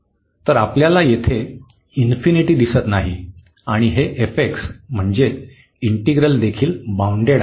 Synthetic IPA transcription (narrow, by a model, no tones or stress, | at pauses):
t̪əɾapljalajet̪ʰe | infiniʈiːd̪isət̪naɦi | aɽ̃iɦeʔefeksm̤əɳd͡ze | iɳʈiɡɾəld̪ekʰiːlbauɳɖeɽ